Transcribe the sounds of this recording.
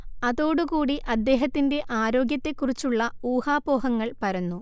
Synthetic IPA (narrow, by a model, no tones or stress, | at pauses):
ɐðo̞ːɽukuːɽiʔɐd̪ːe̞ːɦɐt̪ːinde̞ʔaːɾo̞ːɡjɐt̪ːe̞kːurit͡ɕːuɭːɐuːhaːboːɦɐŋːɐɭpɐɾɐnːu